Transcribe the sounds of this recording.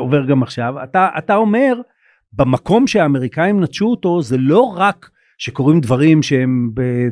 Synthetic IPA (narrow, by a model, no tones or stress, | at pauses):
o̞ve̞ʁɡamaχʃava̰t̪aʔa̰t̪ao̞me̞ʁ | bemako̞mʃeaːme̞ʁikaimnat̪ʃuoto̞zelo̞ʁak | ʃe̞ko̞ʁimd̪vaʁimʃeembe